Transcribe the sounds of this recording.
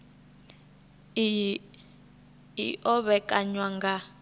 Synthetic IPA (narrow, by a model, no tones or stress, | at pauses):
ḭʔɔβɛkʼaɲwaŋɡa